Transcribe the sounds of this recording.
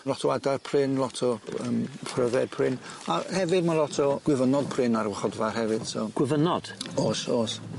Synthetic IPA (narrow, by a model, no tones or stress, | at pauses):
lɔtʰɔwadarpʰrɪnlˠɔtʰɔə̰ːmpʰrəvɛd̥̚pʰrɪnahɛvɨdmalˠɔtʰɔɡ̥wɪvənɔd̥̚pʰrɪnaɾwəχɔdvarɦɛvɨd̥sɔ̰ɡ̥wɪvənɔd̥oːsoːs